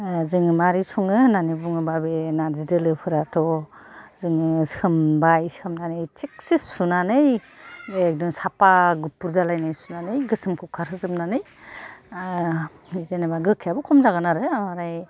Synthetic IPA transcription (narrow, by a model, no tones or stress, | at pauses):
zɯŋɯmaɾisʰuŋɯnanibuŋɯbabenazidɯlɯpʰɯɾatʰɔ | zɯŋɯsɯmbajsɯmnanɯjtʰik̚sisunanɯj | ek̚dɯŋsapaɡupːuɾzalajnɯjsunanɯjɡɯsɯmkʰukʰaɾɯzɯmnanɯj | izenabaɡɯkʰːijabukʰɔmzaɡɯnaɾɯamaɾaj